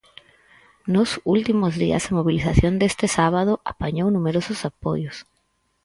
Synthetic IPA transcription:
nosult̪imozðḭa̰zamoβ̞iliθaθjond̪est̪ɪsaβað̞oʔapaɲownumeɾosʊsapo̰jʊs

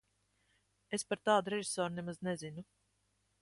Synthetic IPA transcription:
espaɾt̪aːd̪uɾeʒi̥soːɾnɛmaznɛzinu

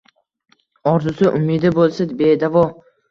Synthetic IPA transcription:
ɒɾzʊsɪʔʊmid̪ɪbolˠsɪzbed̪avɒ

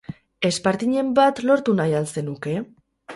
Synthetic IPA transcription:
e̞spaɾt̪iɲe̞mbat̪lo̞ɾt̪unajalse̞nuke̞

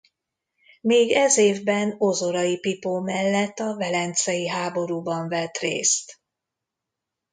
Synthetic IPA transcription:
meːɡɛzeːvbɛnozoɾɒjipipoːmɛlːɛt̪ːɒvɛlɛnt̪sɛjiɦaːbo̞ɾuːbɒɱvɛt̪rḛːst̪

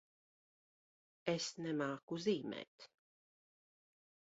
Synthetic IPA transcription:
ɛsnɛmaːkuziːmɛ̰ːt̪

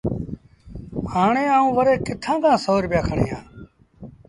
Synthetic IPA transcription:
haːɳeːaːũːʋəɾeːkɪt̪ʰãːk̪ãːsoːɾbjaːkʰəɳḭːɦã̰ː

